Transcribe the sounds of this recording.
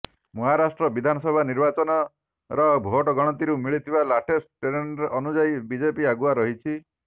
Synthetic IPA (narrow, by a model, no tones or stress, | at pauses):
mɔɦaɾasʈɾɔbid̪ʱanɔsɔbʱaniɾbat͡ʃɔnɔ | ɾɔbʱoɔʈɔɡɔɽ̃ɔt̪iɾumiɭit̪ʰibalaʈʰesʈeɾenɾeʔɔnud͡ʒaibid͡ʒepiaɡuaɾɔɦit͡ʃʰi